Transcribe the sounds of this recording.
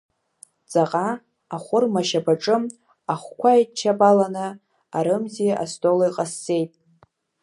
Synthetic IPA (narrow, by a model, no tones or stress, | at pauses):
t͡sʼaqʼa | aχʷʊrmaʃabaʈ͡ʂʼɨm | aχʷkʷʰajt͡ʃʰːabalanɨ | aɾɨmziʔa̰stʼolajqʼasːe̞jtʼ